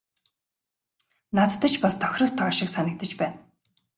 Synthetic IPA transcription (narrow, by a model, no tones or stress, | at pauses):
nat̪t̪ə̆t͡ɕpast̪ʰɔ̥xʲrɞ̆rt̪ʰaːʃɪ̆ksanʲɪ̆k̚t̪ə̆t͡ɕpæːn